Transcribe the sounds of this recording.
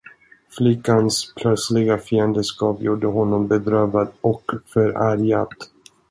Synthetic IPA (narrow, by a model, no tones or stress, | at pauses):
flɪkːanspʰlœt̪slɪɡafiːənd̪əskɑːpjuːɖəɦɔnːɔmbɛd̪ɾøːvad̪ɔkfœɾæɾjat̪